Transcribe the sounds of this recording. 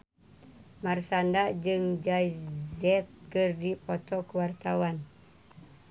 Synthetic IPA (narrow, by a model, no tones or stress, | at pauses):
marsandad͡ʒɨŋd͡ʒajzɛt̪̚kərdipɔt̪ɔkəwart̪awan